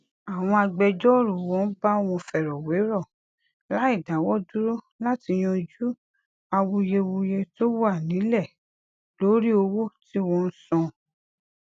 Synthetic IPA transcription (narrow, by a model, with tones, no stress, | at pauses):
a˨w̃ɔ̃˧a˧ɡ͡bɛ˧d͡ʒɔ˦˨ɾu˨wɔ̃˨˦n̩˦ba˦˨w̃ɔ̃˧fɛ˨ɾɔ˨we˨˦ɾɔ˦˨ | la˨˦i˦˨dã˨˦wɔ˦du˦ɾo˦ | la˦ti˧j̃ɔ̃˧i˧d͡ʒu˦ | a˧wu˧je˧wu˧je˧to˦wa˦˨nĩ˨˦lɛ˦˨ | lo˨˦ɾi˦o˧wo˦˨ti˦wɔ̃˧n̩˦sɔ̃˧